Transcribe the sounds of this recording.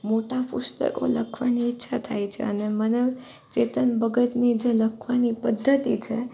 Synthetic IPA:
moʈapust̪ə̰ko̰ləkʰʋaniːtːʃʰat̪ʰajt͡ʃʰḛənemənəʋ | t͡ʃet̪ənbəɡət̪nid͡ʒeləkʰʋanipəd̪ʱːət̪it͡ʃʰe

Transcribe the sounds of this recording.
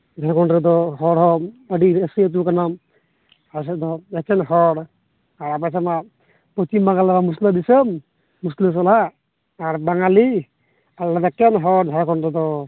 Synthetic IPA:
d̪ʱakɔɳɾɛd̪ɔɦɔɽɦɔmbəɖiəsiət̪ukanam | as̬ɛd̪ɔɛkɛnɦɔɽ | aɾapasama | pɾɔt͡ʃimbaŋɡalabamus̬ləd̪isəmː | usləs̬ɔlaː | ɾbaŋali | allad̪ɔɛkɛnɦɔɽd̪ʱajkɔnɾɛd̪ɔ

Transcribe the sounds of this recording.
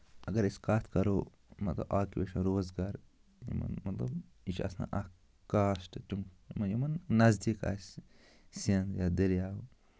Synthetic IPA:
ɐɡɐɾiskaːt̪ʰkɐɾoː | mɐt̪lɐ̰baːkʲieʃɐnɾoːzɡaːɾ | jḭmɐ̰nmɐt̪lɐ̰b | it͡ʃʰɐ̰sna̰ʔɐ | kaːsʈɨt̪ummɐjomɐnːɐzd̪ika̰ːsʲ | sɐnd̪jaːd̪ɐɾjaːw

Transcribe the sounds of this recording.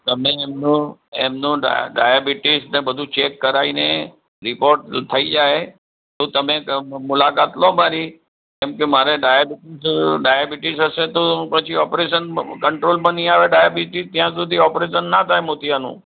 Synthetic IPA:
t̪əmẽemnũemnṵ̃ɖa̰jabiʈisnebəd̪ʱũt͡ʃekːəɾaine | ɾɪpoɾʈt̪ʰəid͡ʒae | t̪ot̪əmẽmʊlakat̪lomaɾi | kemkemaɾeɖajabiʈisɖajabiʈisəset̪opət͡ʃʰiɔpɾeʃənkəɳʈɾolmə̃nĩaʋeɖajabiʈist̪jãsud̪ʱiɔpɾeʃənːat̪ʰajmot̪ianṵ̃

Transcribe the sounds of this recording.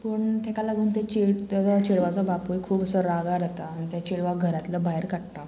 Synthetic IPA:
pəɳt̪ʰekalaɡuːnt̪et͡ɕet̪at͡sat͡ɕeɭʋat͡sabapujkʰuːbəsəɾaɡaɾət̪aːnit̪jat͡ɕeɭʋaɡʱəɾat̪ləbaɦeɾkaʈt̪a

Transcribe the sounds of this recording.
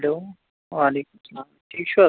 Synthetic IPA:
ɦloː | ʋaːleːkʊmsɐlaːmʈʰiːk̚t͡ʃʰuɐ

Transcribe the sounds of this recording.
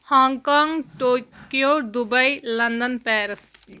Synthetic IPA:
hãːŋɡkaːŋɡʈokijoːd̪ʊbəilɐnd̪ənpɛːɾəs

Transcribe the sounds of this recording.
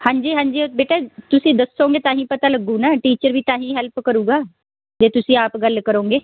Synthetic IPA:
hãːɲd͡ʒiːɦãːɲd͡ʒiːbeːʈaːt̪ʊsĩːd̪əsːõːŋɡeːt̪ãːɦĩːpət̪aːləɡũːnãːʈiːt͡ʃəɾʋiːt̪ãːɦĩːɦɛlpkəɾuːɡaː | d͡ʒeːt̪ʊsĩːaːpɡəlkəɾõːɡeː

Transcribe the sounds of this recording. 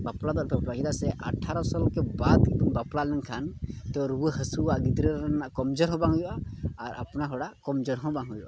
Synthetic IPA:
baplad̪ɔʔpʰɛplaɦid̪asɛʔə̰ʈʰaɾɔsɔlkɛbad̪̚kibɔnbaplalnɛŋkʰant̪ɔɾuwəɦəsuwaɡid̪ɾəɾɾɛnːaʔkɔmd͡ʒɔɾɦɔ̃baŋujɔʔaːɾa̰pnaɦɔɽakɔmd͡ʒɔɾɦɔ̃baŋɦujuʔa̰

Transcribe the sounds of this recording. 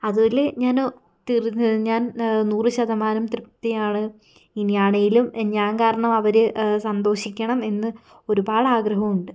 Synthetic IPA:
ɐðuleɲaːno | t̪iriɲaːnnuːrɨɕɐðɐmaːnɐmt̪rɨpt̪ːɐjaːɳɨ | injaːɳɐjilumɲaːnkaːɾɐɳɐmɐʋɐɾɨsɐnd̪o̞ːɕikʲːɐɳɐme̞nːɨ | o̞ɾubaːɭɐaːɡrɐɦɐmuɳɖɨ

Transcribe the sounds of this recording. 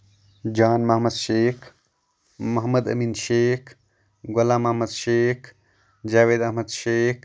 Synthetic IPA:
d͡ʒaːnmɐɦmɐd̪ʃeːkʰ | mɐɦmɐd̪ɐ̰miːnʃeːkʰ | ɡɐlaːmɐhmɐd̪ʃeːkʰ | d͡ʒaːʋeːd̪ɐɦmɐd̪ʃeːk

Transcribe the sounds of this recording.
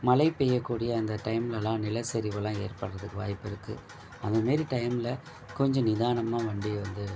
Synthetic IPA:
mɐlɐɪpːɛjːɐkːuːɽɪjɐːnd̪ɐʈɐɪmɪlɐlãːnɪlɐsɛɾɪʋɐlãːeːrpɐɽɾɐðɯkːɯʋa̰ːjpːɪɾɯkːɯ | ɐnd̪ɐmaːɾiʈɐɪmlɐ | kɔɲd͡ʒɔ̃nɪðaːɳɐmaːʋɐɳɖɪjɐʋɐnd̪ɯ

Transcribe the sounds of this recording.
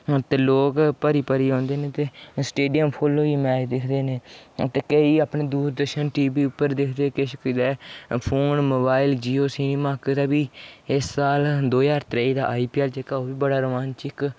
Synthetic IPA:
t̪eːloːkpəɾiːpəɾiːɦõːnd̪eːnẽːt̪eːsʈeːɖijəmpʰoːloːiːmɛːd͡ʒd̪ɪkʰd̪eːneːt̪eːkəiːaːpɳeːd̪uːɾd̪əɾʃənʈiːbiːʊpːəɾd̪ɪkʰd̪eːkɪʃkɪd̪ɛːpʰoːnmoːbaːild͡ʒiːoːsiːneːmaːkːd̪aːbiːɪsːaːld̪oːjaːɾt̪ɾeiːd̪a̰ːʔaːiːpiːɛːld͡ʒeːkaːoːbiːbəɽaːɾəʋaːnt͡ʃɪk

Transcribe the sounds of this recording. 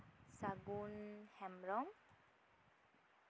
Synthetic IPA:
saɡunhɛmɾɔm

